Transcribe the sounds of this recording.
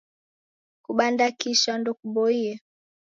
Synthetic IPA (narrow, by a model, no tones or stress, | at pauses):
kuɓandakiʃandɔkuɓɔiɛ